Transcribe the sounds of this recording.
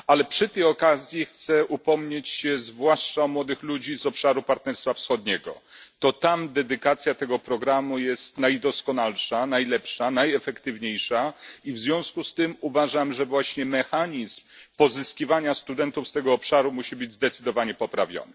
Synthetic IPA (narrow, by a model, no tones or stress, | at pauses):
alɛpʂɘt̪ɛjɔkazʲjixt̪sɛʔupɔmɲet͡ɕɕɛzvwaʂt͡ʂaɔmwɔd̪ɘxlud͡ʑizɔpʂaɾupaɾt̪nɛɾst̪fafsxɔd̪̚ɲɛɡɔ̰t̪ɔt̪amd̪ɛd̪ɘkat̪sʲjat̪ɛɡɔpɾɔɡɾamujɛst̪najd̪ɔskɔnalʂanajlɛpʂanajɛfɛkt̪ɘvɲejʂaivzvʲjɔ̃w̃skust̪ɘmuvaʐamʐɛvwaɕɲɛmɛxaɲizmpɔzɘskʲivaɲast̪ud̪ɛnt̪ufst̪ɛɡɔːpʂaɾumuɕibɘd͡ʑʲzd̪ɛt̪sɘd̪ɔvaɲɛpɔpɾavʲjɔ̰na